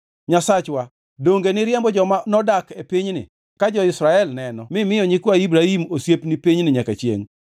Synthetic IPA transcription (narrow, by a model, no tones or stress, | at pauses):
ɲasat͡ʃwa | doŋɡenɪɾɪjɛmbɔd͡ʒɔmanɔdakepiɲnɪ̰ | kad͡ʒɔɪsɾaɛlnɛnɔmɪmɪjɔɲɪkwaibɾahimosjepnipiɲnɪɲakat͡ʃjḛŋ